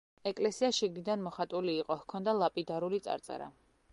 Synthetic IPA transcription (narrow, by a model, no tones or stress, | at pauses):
ɛkʼlɛsiaʃiɡnid̪anmɔχat̪ʼuliːqʼɔhkʰɔnd̪alˠapʼid̪aɾulit̪sʼa̰ɾt̪sʼɛ̰ɾa̰